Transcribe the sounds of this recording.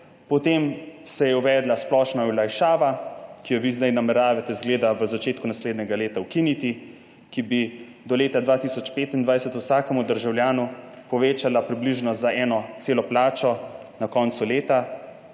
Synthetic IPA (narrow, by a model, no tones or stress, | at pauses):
pɔt̪eːmsɛjɛuʋɛːd̪lasplɔʃnaulajʃaːʋakijɔʋiznajnamɛɾaːʋɛt̪ɛzɡleːd̪aʋəzat͡ʃeːt̪̚kunasleːd̪nʲɛɡaleːt̪awkinit̪i | kibi | d̪ɔleːt̪ad̪ʋaːt̪isɔt͡ʃpeːt̪ind̪ʋajsɛt̪uwsaːkɛmud̪əɾʒawljaːnupɔʋeːt͡ʃalapɾibliʒnɔzaʔɛːnɔt̪seːlɔplaːt͡ʃɔ | nakɔːnt̪suleːt̪a